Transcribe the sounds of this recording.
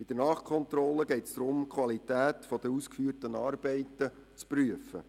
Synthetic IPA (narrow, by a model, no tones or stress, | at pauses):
bid̥ənɑːχkʰɔnt̪ɾɔləɡɛɪtsd̥̪ɾʊmkʰwɑlit̪æːt̪fɔd̪əɾuːskfyːrtənɑːrbɛɪtə | t͡spryəfə̰